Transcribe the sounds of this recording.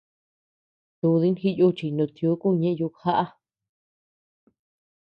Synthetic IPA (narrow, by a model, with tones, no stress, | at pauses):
t̪u˧ði˦nxi˦˧ju˦t͡ʃi˧˨˧nũ˨˧t̪ju˧˦ku˦˧ɲẽ˧ʔju˧ha˦ʔa˦